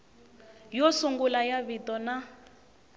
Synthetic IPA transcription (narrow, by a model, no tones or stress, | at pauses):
jɔsuŋɡulajaβitɔna